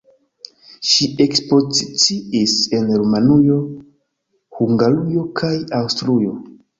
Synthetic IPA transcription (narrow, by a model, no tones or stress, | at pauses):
ʃie̞kspo̞zit͡siise̞nɾumanujo̞ | huŋɡalujo̞kʰajawstɾujo̞